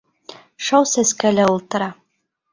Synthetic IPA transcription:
ʂawsæskælæulˠt̪ɤ̆ɾɑ

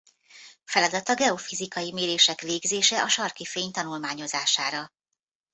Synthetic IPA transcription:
fɛlɒd̪ɒt̪ɒɡɛo̞fizikɒjimeːɾeːʃɛkveːɡzeːʃɛʔɒʃɒrkifeːɲt̪ɒnulmaːɲo̞zaːʃaːɾɒ

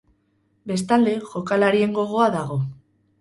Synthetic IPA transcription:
be̞st̪ald̪exokalaɾje̞ŋɡo̞ɣ̞oaðaɣ̞o

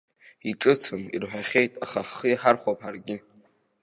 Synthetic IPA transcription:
iʈ͡ʂʼɨt͡sʰɨmḭrħʷᶣaχʲe̞jtʼaχaχijħarχʷapʰarɡʲɪ

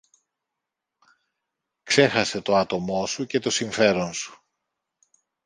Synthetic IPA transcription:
kse̞xɐse̞t̪o̞ɐt̪o̞mo̞suce̞t̪o̞siɱfe̞ɾo̞nsu̥

